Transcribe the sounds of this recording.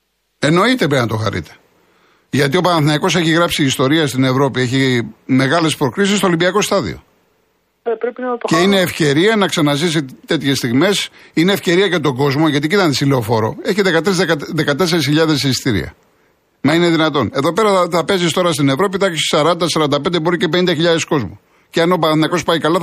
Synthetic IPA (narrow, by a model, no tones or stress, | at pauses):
e̞no̞it̪e̞pɾeinɐt̪o̞xɐ̰ɾḭt̪e̥ | ʝɐt̪io̞pɐnɐθnɐiko̞se̞çiɣɾɐpsiːst̪o̞ɾiɐst̪ine̞vɾo̞pie̞çime̞ɣɐle̞spɾo̞kɾis̬ist̪olimbiɐko̞st̪ɐðḭo̞̰ | epɾepinɐt̪ceineːfce̞ɾiɐnɐksɐnɐzis̬it̪e̞t̪çe̞st̪iɣme̞sineːfce̞ɾiɐcet̪o̞ɡo̞zmo̞ʝɐt̪̬icit̪ɐnesileofo̞ɾo̞̰e̞çiðekɐt̪ɾizðe̞kɐt̪e̞se̞ɾisçiʎɐðe̞sst̪iɾḭɐ̰ | mɐineðinɐt̪o̞ne̞ðo̞pe̞ɾɐθɐpe̞zist̪o̞ɾɐst̪ine̞vɾo̞piθɐissɐɾɐnd̪ɐsɐɾɐnd̪ɐpe̞nd̪ebo̞ɾice̞pe̞nind̪ɐçiʎɐðe̞sko̞zmu | ceɐnopɐnɐko̞spɐikɐlɐ